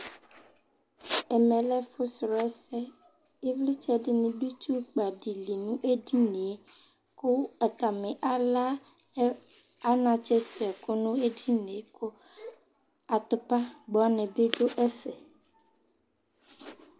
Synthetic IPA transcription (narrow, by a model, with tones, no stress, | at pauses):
ɛ˨mɛ̃˨lɛ˦fo˦sɾɔ˨ɛ˦sɛ˦ | e˦vli˦t͡ʃɛ˦ɖi˦nĩ˨ɖu˦t͡ʃu˦k͡pa˨ɖi˨li˨nũ˦ʔe˦di˦nẽ˨e˦ | ko˦a˨t̪a˨mɛ̃˨ʔa˨la˦ | a˦nã˨t͡ʃɛ˦sɔ˨ɛ˨ko˦nũ˦e˦di˦nẽ˨ko˦ | a˨t̪o˨pa˦ɡ͡bɔ˨˦a˦nɛ̃˨be˦ɖo˦ʔɛ˦sɛ˨